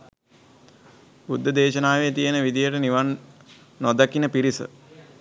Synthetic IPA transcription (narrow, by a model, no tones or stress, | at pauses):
bud̪ʱːəd̪eːʃənaːʋet̪ijənəʋid̪ijəʈəniʋanː | od̪akinəpiɾisə̰